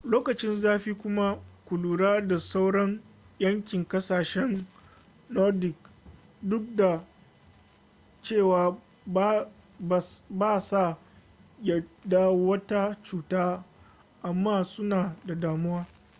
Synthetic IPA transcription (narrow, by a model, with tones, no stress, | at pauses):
loː˦kɐ˨t͡ʃɪ˦nzaː˦ɸiː˦kʷʊ˦ma˦kʷʊ˨luː˨ɽaː˦da˨sa˦wɽɐ˦ŋ | jɐ˦ŋkʲɪ˨ŋkɐ˦saː˨ʃɛ˦nː | ɔ˦rdɪ˨k | dʊ˦k̚da˨ | t͡ʃeː˦˨waː˨ | b | baː˦˨sa˦˨ | jɐ˦da˦wɐ˦ta˦t͡ʃuː˨taː˦ | ʔa˨mːaː˦˨sʊ˦naː˨da˨daː˨mʊ˦waː˦